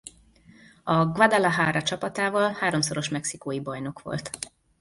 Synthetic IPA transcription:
ɒɡʋad̪alaɦaːɾɒt͡ʃɒpɒt̪aːvɒlhaːɾo̞mso̞ɾo̞ʃmɛksikoːjibɒjno̞kʋo̞̰lt̪

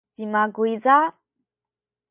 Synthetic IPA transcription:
d̥imaɡuiza

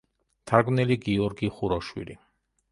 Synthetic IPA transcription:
t̪ʰaɾɡnɛliɡiɔɾɡiχuɾɔʃwḭli

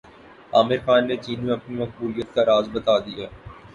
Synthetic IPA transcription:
aːmɪɾxaːnːet͡ʃiːnmẽɐpnimɐxbuːɾijət̪̚kaɾaːzbɐt̪aːd̪ijaː

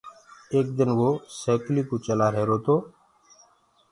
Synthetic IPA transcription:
eːk̚d̪ɪnʋoːseːkliːkoːt͡ʃəlaːɾɛɦːɾoːt̪oː

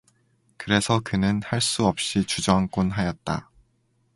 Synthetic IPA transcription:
kɯɾe̞sʰʌkɯnɯnhaɭs͈uʌp̚ɕ͈it͡ɕud͡ʑʌɦank͈onɦajʌt̚t͈a̰

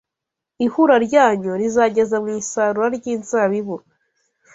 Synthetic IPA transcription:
ihuɾaɾɟaːɲoɾizaɟe̞zamŋiːsaɾuɾaɾɟiːnzaβiβu

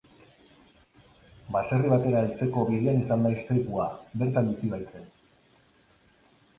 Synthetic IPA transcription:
base̞riβ̞at̪e̞ɾaelt͡se̞ko̞βiðeanisand̪aest̪e̞kuabe̞ɾt̪ambisiβajt͡s̪e̞

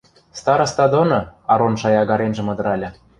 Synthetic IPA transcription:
st̪ɑɾɤ̆st̪ɑd̪onɤ̆ɑɾonʃɑjɑɣɑɾenʒĕmɤ̆d̪ɤ̆ɾɑlʲɤ̆

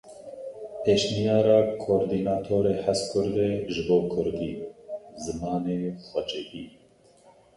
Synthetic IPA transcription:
pʰeːʃnijɑːɾɑːkʰoːɾd̪iːnɑːt̪ʰoːɾeːħaskʰʊɾd̪eːʒɨboːkʰʊɾd̪iːzɨmɑːneːxɛd͡ʒɛʔiː

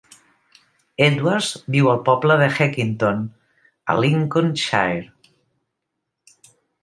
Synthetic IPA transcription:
ed̪uaɾzbiwəlˠpɔbləðəxɛkint̪on | ə̰liŋkonʃa̰eɾ

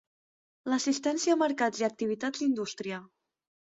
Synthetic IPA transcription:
ləsist̪ɛnsiəːməɾkad͡ziək̚t̪iβ̞it̪ad͡zind̪ust̪ɾiə

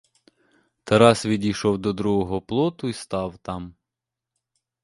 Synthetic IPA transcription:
t̪ɐɾɑsʋʲidʲiʃɔwd̪ɔd̪ɾuɦɔɦɔplˠɔt̪ʊist̪ɑwt̪ɑm

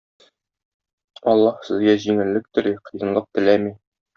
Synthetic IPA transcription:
ɒlˠːɑhsɘ̆zɡæʑiŋɘ̆lːɘk̚t̪ɵ̆ɾiqɤ̆jɤ̆nlˠɤq̚t̪ɘ̆læmi

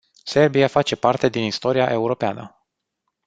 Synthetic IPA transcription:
se̞rbiafat͡ʃe̞part̪e̞d̪inist̪o̞ɾiaʔe̞uɾo̞peanə̰

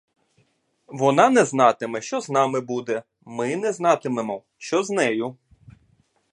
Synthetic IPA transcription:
ʋɔnɑnɛznɑt̪ɪmɛʃt͡ʃɔznɑmɪbud̪ɛ | mɪnɛznɑt̪ɪmemɔ | ʃt͡ʃɔznɛjʊ

